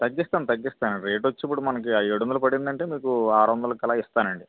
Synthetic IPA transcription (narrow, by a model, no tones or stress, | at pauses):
t̪ɐɡːist̪aːnt̪ɐɡːist̪aːnɐɳɾeːʈʋɐt͡ʃːip̬ːuɽumɐnɐkiaeɽunulupɐɽind̪ɐɳʈe̞ːmiːkuaːɾʋɐnd̪ɐlɐkɛlaːist̪aːnɐɳɖi